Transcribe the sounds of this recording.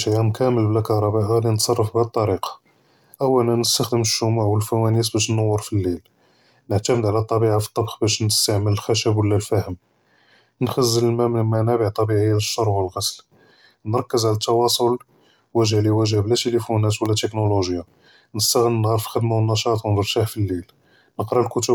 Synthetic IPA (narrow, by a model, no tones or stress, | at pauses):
ʃʕæmkæməlblækɑɾˤɑbaʔalinət̪sˤɑrˤːəfbæt̪ˤːɑɾiqɑ̥ | ʔəwːælnænəst̪axd̪əməʃːʊmuʕwəlfæwænisbæʃ̬nːɑwːəɾˤfilːil | nəʕt̪æməd̪ʕlæt̪ˤːɑbiʕafi̥t̪ˤːɑbxbæʃnəst̪aʕmələlxæʃəbwəlːælfæhəm | nxæzːələlmæmnmænæbəʕt̪ˤɑbiʕəjːaəʃːɑɾˤwəlɣæsl | nɾˤɑkːəzʕlæt̪ːɑwɑsˤol | wæʒhliwæʒhæblæt̪elifunæt̪wəlːæt̪əknoluʒja | nəst̪aɣənːənɣɑɾˤfilxəd̪mawənːɑʃɑt̪ˤwnəɾt̪aħfilːil | nəqɾˤɑlkʊt̪ə